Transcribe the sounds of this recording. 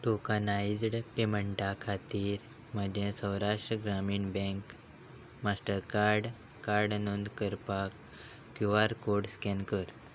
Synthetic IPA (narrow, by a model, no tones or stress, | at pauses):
ʈokanajd͡zɽpeməɳʈakʰat̪iːɾ | məd̪ʱẽsə̃wɾaʂʈɾəɡɾamiːɳbɛ̃ŋk | masʈəɾkaɾɖ | kaɾɖnund̪kəɾpakː | juaɾkoɽskɛnkəɾ